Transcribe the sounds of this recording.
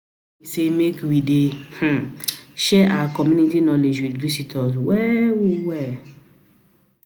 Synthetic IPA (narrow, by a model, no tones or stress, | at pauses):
isemekwideh̩ʃɛʔaakɔmjũnitinɔled͡ʒwidvisitʰɔswɛwiwɛ